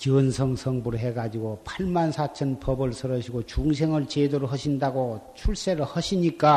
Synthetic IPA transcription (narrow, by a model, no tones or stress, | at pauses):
t͡ɕɯnsʰʌŋsʰʌŋbuɾɦe̞ɡad͡ʑiɡopʰaɭmansʰat͡ɕʰʌnpʰʌbɯɭsʰɯɾʌɕʰiɡot͡ɕuŋs̬ʰeŋɯɭt͡ɕedoɾɦʌɕʰindaɡot͡ɕʰuɭs͈eɾɯɭhʌɕʰiɲik͈a